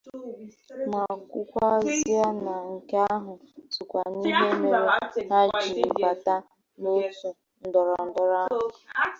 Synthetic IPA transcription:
ma˨kʷu˦kʷa˦zi˦a˦na˨ŋ̩˨ka˦a˦ɦʊ˨tu˨kʷa˨ni˦ɦe˦me˨˦˨ɾe˦na˦t͡ʃḭ˨˦ba˨ta˦ | no˦tu˨ | n̩˨dɔ˨ɾɔ˨n̩˨dɔ˨ɾa˦˨˦

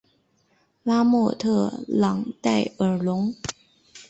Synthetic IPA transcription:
la˥mɔ˥˧t̪ʰɤ˥˩lɑ̰˨˩ŋt̪a˥˩ɪə˞˨˩lʊ˧˥ŋ

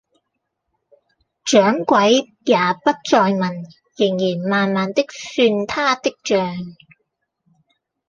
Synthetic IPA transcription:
t͡ʃœː˨˥ŋkʷɐ˨˥j | jaː˨˩pɐ˥t̚t͡sɔː˧jmɐ˨˩n | jɪ˨˩ŋjiː˨˩nmaː˨nmaː˨nt̪ɪ˥k̚syː˧nt̪ʰaː˥t̪ɪ˥k̚t͡ʃœː˨˧ŋ

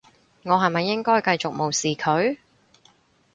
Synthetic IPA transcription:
ŋɔː˨˧ɦɐ˨˩jmɐ˨jːɪ˥ŋkɔː˥jkɐ˧jt͡ʃʊ˨k̚mo˨˩wsiː˨kʰɵ˨˧ɥ

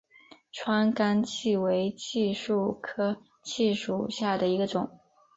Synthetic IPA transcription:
ʈ͡ʂʰwa˥nka˥nt͡ɕʰi˥˩we˧˥ɪt͡ɕʰi˥˧ʂu˥˩kʰɤ˥ | t͡ɕʰi˥˧ʂṵ˨˩ɕja˥˩d̪ə˩i˧˥ɡə˧ʈ͡ʂʊ˨˩˦ŋ

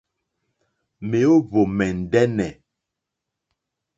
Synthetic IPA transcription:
me˨o˦βo˨mɛ˨n̩˨dɛ˦nɛ˨

